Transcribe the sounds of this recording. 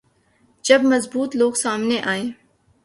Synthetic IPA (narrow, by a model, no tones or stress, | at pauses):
d͡ʒɐbmɐzbuːt̪loːɡsaːmneʔaːẽː